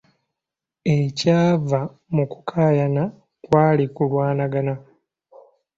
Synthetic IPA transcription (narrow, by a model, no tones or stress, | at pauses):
ecaːva | muku̥kʰaːjana | kwaːlikulwaːnaɡana